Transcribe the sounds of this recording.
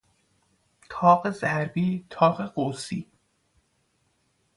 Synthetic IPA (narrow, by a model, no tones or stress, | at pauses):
t̪ʰɒːɢe̞zæɾbiːt̪ʰɒːɣeɢosiː